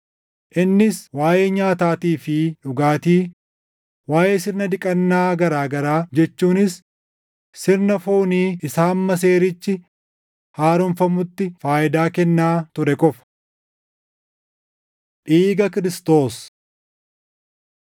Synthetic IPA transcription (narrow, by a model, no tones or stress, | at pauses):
ʔɪnːɪswaːjeːɲaːt̪aːt̪iːfɪᶑʊɡaːt̪iː | waːjeːsɪɾnɐd̪ɪkʼɐnːaːɡɐɾaːɡɐɾaːd͡ʒɛt͡ʃːuːnɪs | sɪɾnɐfoːniːɪsaːmːɐs̬e̞ːɾɪt͡ʃːɪ | haːɾʊmfɐmʊt̪ːɪfaːʔɪd̪aːkɛnːaːt̪ʊɾɛkʼɔfɐ̥ | ᶑiːɡɐkɪɾɪst̪o̞ːs